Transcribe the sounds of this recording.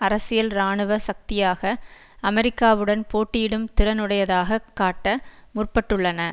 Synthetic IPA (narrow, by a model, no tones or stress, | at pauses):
ɐɾɐsɪjɐlɾaːɳɯʋɐsɐk̚t̪ɪjaːɣɐ | ɐmɛɾɪkːaːʋɯɽɐnpoːʈːɪjɪɽɯmt̪ɪɾɐnɯɽɐjɐðaːɣɐkːaːʈːɐmʊrpɐʈːɯɭːɐnɐ